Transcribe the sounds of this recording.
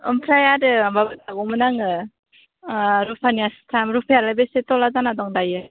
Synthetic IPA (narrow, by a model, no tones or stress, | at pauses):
ɔ̰mpʰɾajaɾɯbabɯtaɡɔmɯnaŋɯ | ɾupʰanijastʰamɾupʰajalajbesetɔlazanadɔŋdajɯ